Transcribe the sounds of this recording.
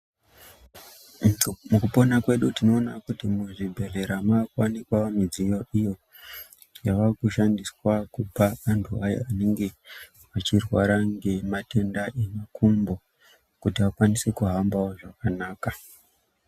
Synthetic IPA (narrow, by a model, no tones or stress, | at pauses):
mukupo̞nakwe̞ɗutino̞ːnakutimuʐibʱe̞re̞ɾamaːkwanikwaomid͡zijo̞ʔijo̞ | jaʋarkuʃandiswakupaʋantʰuaja̰ane̞ŋɡe̞ | at͡ʃirwaɾaŋɡe̞mate̞ndaʔinekumbo̞ | kutiʋakwanisekuɦambaoʐakanaːka